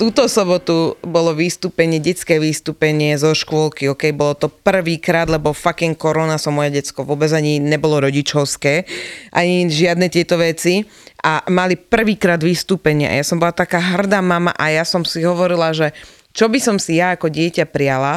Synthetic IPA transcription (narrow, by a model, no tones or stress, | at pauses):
t̪uːt̪ɔsɔbɔt̪ubɔlɔʋiːst̪uːpɛɲɪɛɟɛt͡skɛːʋiːst̪uːpɛɲɪɛzɔʃkʊɔlkiɦɔkɛjbɔlɔt̪ɔpr̩ʋiːkɾaːd̪lɛbɔfakiŋkɔɾɔnasɔmɔjɛɟɛt͡skɔʋʊɔbɛd͡zaɲiɲɛbɔlɔɾɔɟit͡ʃɔʊskɛːʔaɲiʒɪad̪nɛt̪ɪɛt̪ɔʋɛt͡si | ʔamalipr̩ʋiːkɾaːd̪ʋiːst̪uːpɛɲɪa̰ʔa̰jasɔmbɔlat̪akaːɦr̩d̪aːmama̰ʔajasɔmsiɦɔʋɔɾilaʒɛ | t͡ʃɔbisɔmsijaakɔɟɪɛcapɾijala